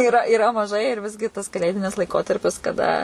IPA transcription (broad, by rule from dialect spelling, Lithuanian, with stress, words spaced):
ɪˈrɐ ɪˈrɐ mɐˈʒɐɪ ɪr ˈʋʲɪzʲɡʲɪ tɐs kɐˈlʲeːdʲɪnʲɪs lˠɐɪˈkoːtɐrʲpʲɪs kɐˈdɐ